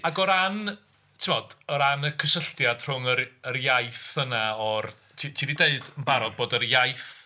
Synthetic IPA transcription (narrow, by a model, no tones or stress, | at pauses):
aɡɔɾan | tʰɪmɔd̥ɔɾanəkʰəsəɬtjad̥r̥ʊŋərərjajθənaɔr | tʰitʰiːdideɨdənbaɾɔɡ̚boːdərjajθ